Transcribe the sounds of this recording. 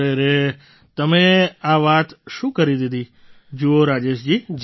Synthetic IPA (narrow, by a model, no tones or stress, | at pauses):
eɾe | t̪əmeaʋat̪ʃũkəɾid̪id̪ʱi | d͡ʒooɾad͡ʒeʃd͡ʒid͡ʒ